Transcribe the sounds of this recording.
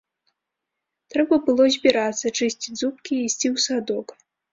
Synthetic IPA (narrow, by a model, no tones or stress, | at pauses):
t̪ɾɛbɐbɨlˠɔzʲbʲiɾat̪sːɐt͡ʂɨsʲt͡sʲizup̚kʲiisʲt͡sʲiwsad̪ɔk